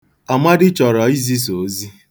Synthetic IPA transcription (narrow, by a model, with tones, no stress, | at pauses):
a˨ma˦dɪ˦t͡ʃɔ˨ɾɔ˨i˦zi˦s̬o˨˦zi˦